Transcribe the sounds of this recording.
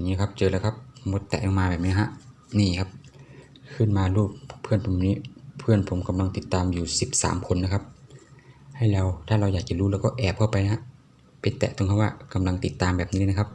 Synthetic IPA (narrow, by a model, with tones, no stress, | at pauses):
ŋiː˧kʰa˧˥p̚t͡ɕɤː˧lɛ˧˩kʰa˧˥p̚mo˧˦t̪ːɛ̰˨˩lɔ˧maː˧bɛː˨˩niː˧ɦa˧ʔ | niː˧˩kʰa˦˧˥p̚ | kʰɯ˧˥˩nmaː˧luː˧˥˩p̚pʰːɯ˧˥˨ənpʰo˨˧˦mː˧˨niː˧˩˨pʰɯ˧˩ənpʰo˨˦mka˧mla˧ŋt̪i˨˩t̪ːaː˧mjuː˨˩si˨˦p̚sa̰ː˨˦mkʰo˧nːa˧˥kʰa˧p̚ | ha˧˩jlɛː˧˩wt̪ʰaː˧˩la˧wjaː˨˩k̚t͡ɕɛ˧˩luː˧˦lɛː˧˩wkɔː˧˩ʔɛː˨˩p̚kʰa˧˩wpa˨jna˧ha˧ʔ | pea˧˦nt̪ɛ̰ː˧˩t̪o˧ŋkʰa˧˥waː˧ka˧˦mla˧ŋt̪i˨˦t̪ːaː˨˧mbɛː˨˩p̚niː˧kʰp̚